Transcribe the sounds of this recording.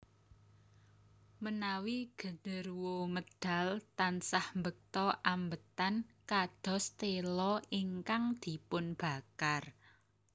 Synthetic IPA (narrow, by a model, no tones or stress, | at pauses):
mənawiɡ̥ə̤nərwoməd̪̥a̤lt̪ansahmbək̚t̪ɔʔambət̪ankad̪̥ɔ̤st̪elɔiŋkaŋd̪̥i̤pʊnb̥ä̤kar